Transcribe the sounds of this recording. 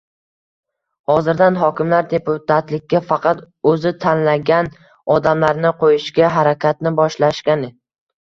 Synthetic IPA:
hɒzɪɾd̪anɦɒkʲɪmlaɾd̪e̞put̪at̪lɪk̚ʲːafɑqɑt̪ | ɵzɪt̪ʰanlaɡʲan | ɒd̪amlaɾnɪqʰojɪʃɡʲaɦaɾakʲat̪̚nɪbɒʃlaʃkʲanɪ

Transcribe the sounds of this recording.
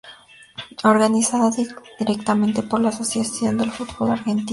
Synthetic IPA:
o̞ɾɣanisaðaððiɾekt̪amẽnt̪e̞po̞ɾlaːso̞sjasjo̞nd̪e̞lfut̪βo̞laɾxe̞nt̪i

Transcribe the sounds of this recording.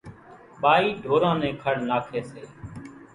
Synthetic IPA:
ɓaːiːɖʱoːɾãːnɛ̃ːkʰəɽ̤naːkʰeːseː

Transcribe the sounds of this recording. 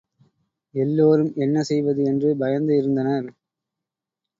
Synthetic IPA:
ɛlːoːɾɯmʔɛnːɐsɛjʋɐðɯɛndrɯbɐjɐnd̪ɯɪɾɯnd̪ɐnɐɾ

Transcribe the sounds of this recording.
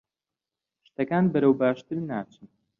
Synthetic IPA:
ʃt̪ɐkaːnbɐɾɐwbaːʃt̪ɨɾnaːt͡ʃʰɨn

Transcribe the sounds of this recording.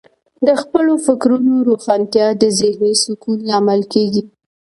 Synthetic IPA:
d̪əxpəlofɪkɾunoɾuxant̪jɑd̪əzɪhnesʊkuneamalkeɡi

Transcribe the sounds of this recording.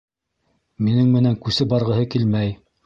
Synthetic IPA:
minɘŋmɘ̆næŋkʉsɘbɑɾʁɤ̆ɦɤkilmæj

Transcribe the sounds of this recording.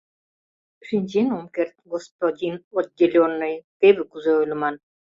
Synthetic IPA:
ʃinʲt͡ɕenomkert̪̚ɡospod̪ʲinod̪ʲelʲonːɤjt̪eβɘ̆kuzeølʲə̆mɑn

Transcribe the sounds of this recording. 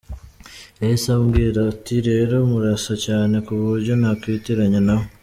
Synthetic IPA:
esamɡiːɾatiɾe̞ːɾo̞muɾasacaːne̞kuβuɾɟonakwitiɾaɲanaho

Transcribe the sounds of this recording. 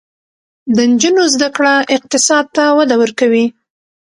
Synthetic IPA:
d̪ənd͡ʒunozd̪akɽaʔɪq̚t̪ɪsɑd̪̚t̪awad̪awəɾkawi

